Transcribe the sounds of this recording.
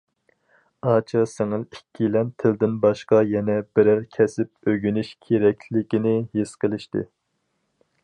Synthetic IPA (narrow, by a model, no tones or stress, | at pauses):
ɑt͡ʃʰɑsɪŋɨlikʲʰːilɛnt̪ʰɪld̪ɪnbɑʃqɑjɛnɛbɪɾæɾkʲʰɛsɪp̚øɡʲynyʃkʲʰeɾɛkʲʰlɪkʲinɪhesqəlˠɪʃt̪ɨ̰